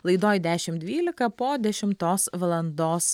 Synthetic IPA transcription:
lˠɐɪd̪oːjd̪ʲæːʃʲɪmd̪ʲʋʲiːlʲɪkɐpoːd̪ʲɛʃʲɪmt̪oːsʋɐlˠɐnd̪oːs

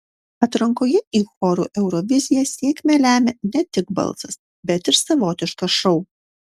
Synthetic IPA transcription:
ɐt̪ɾɐŋkoːjɛiːxɔɾṵːʔɛʊɾɔʋʲɪzʲɪjɛsʲiɛkʲmʲɛlʲæːmʲɛnʲɛt̪ʲɪɡ̚bɐ̰lˠsɐs | bʲɛt̪ɪɾsɐʋoːt̪ʲɪʃkɐʃɔʊ

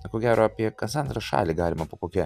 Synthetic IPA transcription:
koːɡʲæːɾoːɐpʲiɛkɐnsɐnd̪ɾɐʃɑ̰ːlʲiːɡɑːlʲɪmɐpokoːkʲɛ

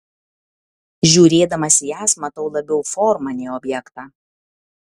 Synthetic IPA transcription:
ʒʲuːɾʲeːd̪ɐmɐsʲɪjæːsmɐt̪ɐʊlˠɐbʲɛʊfɔɾmɐnʲeːɔːbʲjɛkt̪ɑː

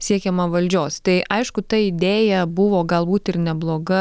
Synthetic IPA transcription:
sʲiɛkʲɛmɐʋɐlʲd͡ʒʲoːst̪ɐɪʔɐɪʃkʊt̪ɐɪd̪ʲeːjɛbʊʋoːɡɐlˠbuːt̪ɪɾnʲɛblˠoːɡɐ

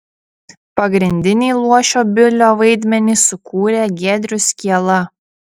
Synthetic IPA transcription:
pɐɡɾʲɪnʲd̪ʲɪnʲiːlˠuɔʃʲoːbʲɪlʲoːʋɐɪd̪ʲmʲɛnʲiˑsʊkuːɾʲeːɡʲæːd̪ʲɾʲʊsʲkʲiɛlˠɐ

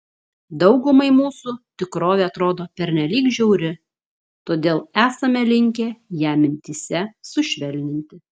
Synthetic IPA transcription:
d̪ɒʊɡʊmɐɪmuːsʊt̪ʲɪkɾoːʋʲeːɐt̪ɾoːd̪oːpʲɛɾʲnʲɛlʲiːkʒʲɛʊɾʲɪ | t̪oːd̪ʲeːlˠæːsɐmʲɛlʲɪŋʲkʲeːjæːmʲɪnʲt̪ʲiːsʲɛsʊʃʲʋʲɛlʲnʲɪnʲt̪ʲɪ

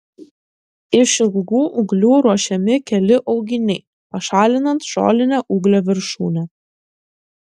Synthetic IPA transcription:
ɪʃʲɪlˠɡuːʔʊɡlʲuːɾuɔʃʲɛmʲɪkʲɛlʲɪʔɒʊɡʲɪnʲɛɪ | pɐʃɑːlʲɪnɐnt̪ʃo̰ːlʲɪnʲɛʔuːɡlʲɛʋʲɪɾʃṵːnʲɛ

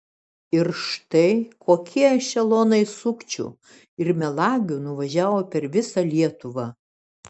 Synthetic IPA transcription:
ɪɾʃt̪ɐɪkoːkʲʰiɛʃʲɛlˠoːnɐɪsʊkt͡ʃʲṵ | ɪɾmʲɛlˠɑːɡʲuːnʊʋɐʒʲæːʋoːpʲɛɾʋʲɪsɐlʲiɛt̪ʊʋɑ

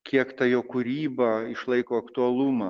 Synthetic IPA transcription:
kʲiɛkt̪ɐjoːkʊɾʲiːbɐɪʃlˠɐɪkoːɐkt̪ʊɐlˠumɐ

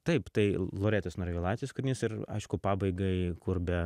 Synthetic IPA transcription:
t̪ɐɪpt̪ɐɪlˠoːɾʲæːt̪ʲosnoːɾʲeʋʲiɛlˠɑːt͡sʲsʲɪjoːskʊɾʲnʲɪsɪrɐ̰ɪʃkʊpɑːbɐɪɡɐɪkʊrbʲɛ

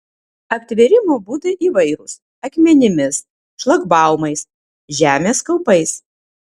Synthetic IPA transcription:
ɐpʲt̪ʲʋʲɛɾʲɪmoːbuːd̪ɐʔiːʋɐɪɾʊs | ɐkʲmʲɛnʲɪmʲɪs | ʃlˠɐɡbɑˑʊmɐɪs | ʒʲæːmʲeːskɐlˠpɐɪs

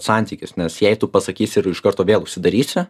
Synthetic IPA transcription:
sɑˑnʲt̪ʲiːkʲɪsnʲɛsjɛɪt̪ʊpɐsɐkʲiːsʲɪɪɾɪʃkɐrt̪oːʋʲeːlˠʊʃʲsʲɪd̪ɐɾʲiːsʲɪ

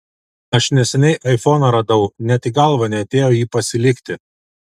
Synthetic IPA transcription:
ɐʃnʲɛsʲɛnʲɛɪʔɐɪfoːnɐɾɐd̪ɐʊnʲɛt̪ʲiɡɐlˠʋɐnʲɛɐt̪ʲeːjoːjiːpɐsʲɪlʲɪkʲt̪ʲɪ

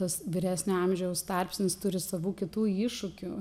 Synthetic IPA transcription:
ɐsʋʲɪɾʲæːsʲnʲoɐmʲʒʲɛɛʊst̪ɐrʲpʲsʲnʲɪst̪ʊɾʲɪsɐʋuːkʲɪt̪uːiːʃʊkʲu

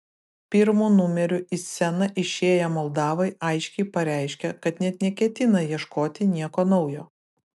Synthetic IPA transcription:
pʲɪɾmuːnʊmʲɛɾʲʊʔɪsʲɛnɐʔɪʃʲeːjɛmɔlˠd̪ɑːʋɐɪʔɐɪʃʲkʲɛɪpɐɾʲæˑɪʃʲkʲɛkɐt̪nʲɛt̪nʲɛkʲɛt̪ʲɪnɐjiɛʃkoːt̪ʲɪnʲiɛkoːnɒʊjoː

